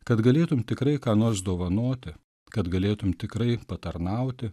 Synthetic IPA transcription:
kɐt̪ɡɐlʲeːt̪ʊmʲt̪ʲɪkɾɐɪkɑːnoːɾsd̪oːʋɐnoːt̪ʲɪ | kɐt̪ɡɐlʲeːt̪ʊmʲt̪ʲɪkɾɐɪpɐt̪ɐɾnɐʊt̪ʲɪ

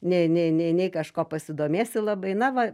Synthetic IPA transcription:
nʲɛnʲɛɪnʲɛɪnʲɛɪkɐʃkoːpɐsʲɪd̪oːmʲeːsʲɪlˠɐbɐɪnɐʋɐ

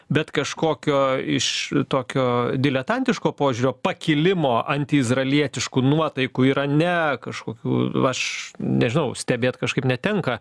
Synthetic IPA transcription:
bʲɛt̪kɐʃkoːkʲoːɪʃt̪oːkʲoːd̪ʲɪlʲɛt̪ɐnʲt̪ʲɪʃkoːpoːʒʲʊɾʲoːpɐkʲɪlʲɪmoːʔɐnʲt̪ʲɪɪzrɐlʲiɛt̪ʲɪʃkunuɔt̪ɐɪkuːiːɾɐnʲɛkɐʃkoːkʲṵːɐʃnʲɛʒʲɪnɐʊsʲt̪ʲɛbʲeːt̪kɐʃkɐɪpnʲɛt̪ʲɛŋkɐ

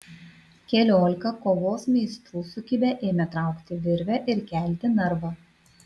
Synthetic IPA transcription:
kʲɛlʲoːlʲɪkɐkoːʋoːsmʲɛɪst̪ɾuːsʊkʲɪbʲɛʔeːmʲɛt̪ɾɐˑʊkt̪ʲɪʋʲɪɾʲʋʲɛʔɪɾkʲæˑlʲt̪ʲɪnɐɾʋɐ

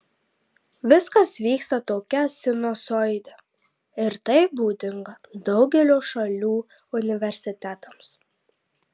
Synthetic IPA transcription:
ʋʲɪskɐsʋʲiːkst̪ɐt̪oːkʲɛsʲɪnoːsɔɪd̪ʲɛ | ɪɾt̪ɐɪbuːd̪ʲɪŋɡɐd̪ɒʊɡʲɛlʲoːʃɐlʲuː | ʊnʲɪʋʲɛɾʲsʲɪt̪ʲæt̪ɐms

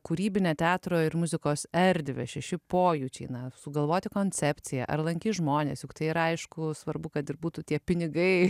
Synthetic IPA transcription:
kuɾʲiːbʲɪnʲeːt̪ʲæːt̪ɾoːɪrmʊzʲɪkoːsɛɾʲd̪ʲʋʲḛʃʲɛʃʲɪpoːjut͡ʃʲḭːnɐsʊɡɐlˠʋoːt̪ʲɪkoːnʲt͡sʲɛpʲt͡sʲɪjɛ̰ʔɐ̰rlˠɐŋʲkʲiːʒmoːnʲḛːsjʊkt̪ɐɪiːɾɐɐɪʃkʊsʋɐɾbʊkɐt̪ɪɾbuːt̪uːt̪ʲiɛpʲɪnʲɪɡɐɪ

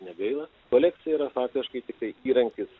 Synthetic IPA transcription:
nʲɛɡɐɪlˠɐ | koːlʲɛkt̪sʲɪjɛiːɾɐfɑːk̚t̪ʲɪʃkɐɪt̪ʲɪkt̪ɐɪiːɾɐŋʲkʲɪs

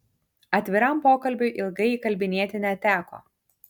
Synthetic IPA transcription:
ɐt̪ʲʋʲɪɾɐˑmpoːkɐlʲbʲʊjʔɪlˠɡɐɪikɐlʲbʲɪnʲiɛt̪ʲɪnʲɛt̪ʲæːko̰ː

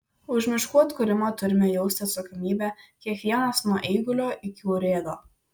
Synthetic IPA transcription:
ʊʒʲmʲɪʃkuɔt̪kʊɾʲɪmɐt̪ʊɾʲɪmʲɛjɛʊsʲt̪ʲɐt̪sɐkɔmʲiːbʲæːkʲiɛkʋʲiɛnɐsnuɔʔɛɪɡʊlʲoːʔɪkʲuːɾʲeːd̪oː

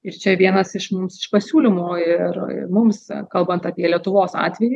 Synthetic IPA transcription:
ɪɾt͡ʃʲɛʋʲiɛnɐsɪʃmʊmsɪʃpɐsʲuːlʲɪmoːɪr̰mʊmskɐlˠbɐnt̪ɐpʲiɛlʲiɛt̪ʊʋoːsɑ̰ːt̪ʲʋʲɛji

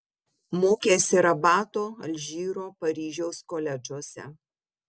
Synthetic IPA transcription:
moːkʲeːsʲɪɾɐbɑːt̪oːɐ̰lʲʒʲiːɾoːpɐɾʲiːʒʲɛʊskoːlʲɛd͡ʒuɔsʲɛ̰

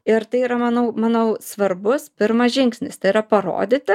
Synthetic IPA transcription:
ɪɾt̪ɐɪiːɾɐmɐnɐʊmɐnɐʊsʋɐɾbʊspʲɪɾmɐsʒʲɪŋksʲnʲɪst̪ɐɪiɾɐpɐɾo̰ːd̪ʲɪt̪ʲɪ

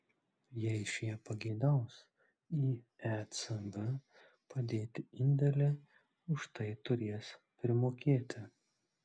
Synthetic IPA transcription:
jɛɪʃʲjiɛpɐɡʲɛɪd̪ɑˑʊs | iː | æːt̪sɐɡɐ | pɐd̪ʲeːt̪ʲɪɪnʲd̪ʲɛlʲɛ | ʊʃt̪ɐɪt̪ʊɾʲeɛspʲɾʲɪmoːkʲeːt̪ʲɪ

